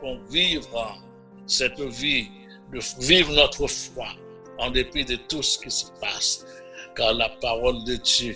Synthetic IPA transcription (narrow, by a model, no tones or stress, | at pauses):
ɔ̃vivʁ̃ | sɛt̪vi | d̪əvivʁnɔt̪χəfwa | ɑ̃d̪epid̪ət̪usə̥kisə̥pas | kaʁlapaʁɔld̪əd̪jø